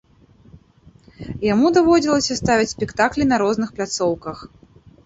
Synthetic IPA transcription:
jamud̪avɔd͡zʲilˠɐsʲɐst̪avʲit͡sʲsʲpʲɛkt̪aklʲinɐɾɔznɨxplʲat̪sɔwkɐx

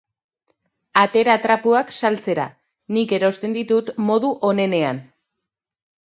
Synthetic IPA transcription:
at̪e̞ɾat̪ɾapuaksalt͡se̞ɾa̰ | nike̞ɾo̞st̪e̞nd̪it̪ut̪mo̞ðuʔo̞ne̞ne̞an

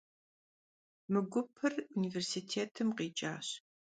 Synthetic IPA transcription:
mɨɡʷʊpʰɨruniːversitʰeːtʰɨmqiːt͡ʃʼaːɕ

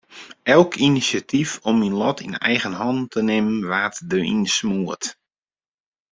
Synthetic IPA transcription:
ɛlˠkʰinisjatʰifɔminlɔtʰinɛ̰jɣənɦɔntʰənɪmənʋaːtdəḭnsmuət

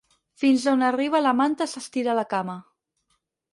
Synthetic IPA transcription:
finzonəriβ̞ələmant̪əsəst̪iɾaləkamə

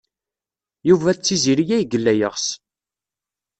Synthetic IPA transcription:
juvæt͡sːiziɾijæjɡəlːæjəʁs

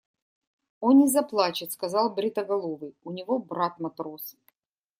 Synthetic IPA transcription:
onnʲɪzɐplˠat͡ɕɪt̪skɐzɑlˠbɾʲɪt̪əɡɐlˠovɨjʊnʲɪvo̞bɾat̪mɐt̪ɾo̞s

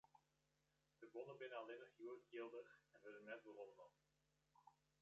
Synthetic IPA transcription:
d̥əbɔnəbɪnəɑlenəχjuːɡɪlˠdəχɛnʋɛdənːɛtbərɔnənɔp

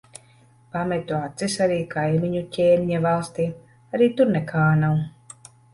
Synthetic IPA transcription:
pamɛt̪uat̪sisaɾiːkʰajmʲiɲucʲeːmʲiɲavalˠst̪iː | aɾiːt̪uɾnɛkʰaːnaw

